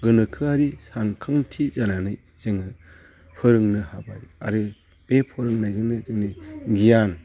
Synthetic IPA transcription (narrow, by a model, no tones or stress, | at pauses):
ɡɯnɯkʰɯaɾisankʰaŋtʰizananɯj | z̥ɯŋɯ | pʰɯɾɯŋnɯhabaja̰ɾɯ | b̥epʰɯɾɯŋnajɡɯnɯzɯŋniɡijan